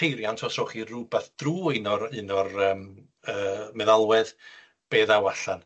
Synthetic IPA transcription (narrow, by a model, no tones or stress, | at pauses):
ejɾjantʰɔsrɔχirubɛθd̥ruːɪnɔɾɨnɔrəːm | əːmɛðalˠwɛð | b̥eːðawaɬan